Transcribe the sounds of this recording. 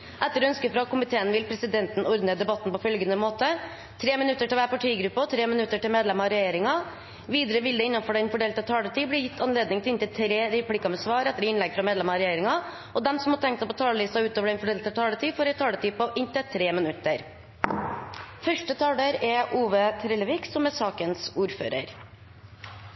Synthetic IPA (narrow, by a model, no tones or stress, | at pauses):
ʔɛt̪ːəɾɔœnskəfɾɑkʊmɪt̪ʰeːənʋɪlpʰɾɛsɪd̪ɛnt̪n̩ɔɾd̪n̩əd̪ɛbɑt̪n̩pɔfœlɡənəmoːt̪ə | t̪ʰɾeːmɪnʉt̪ːəʈɪlʋæːɾpɑʈʰiːɡɾʉpːət̪ʰɾeːmɪnʉt̪ːəʈɪlmeːd̪lɛmɑɾɛjeːɾɪŋɑ | ʋiːd̪əɾəʋɪld̪əɪnːɑnfɔɖɛɪnfɔɖeːlt̪ət̪ʰɑːlət̪iːbliːjɪt̪ʰːɑnleːd̪nɪŋt̪ɪlɪnt̪ət̪ʰɾeːɾɛpʰliːkɑmɛsʋɑːɾɛt̪ːəɾɪnlɛɡfɾɑmeːd̪lɛmɑɾɛjeːɾɪŋɑ | ɔd̪ɛmsɔmhɑt̪ʰɛŋkt̪sɑpɔt̪ʰɑːləlɪst̪ɑʉːt̪oːʋəɖɛɪnfɔɖeːlt̪ət̪ʰɑːlət̪iːfoːɾɛɪt̪ʰɑːlət̪ʰiːpɔʔɪnt̪ət̪ʰɾeːmɪnʉt̪ːəɾ | fœʂʈət̪ʰɑːɖ̪əɾɛʔuːʋət̪ʰɾɛləʋɪːksɔmɛsɑːkənsuːɾfø̰ːɾə̰ɾ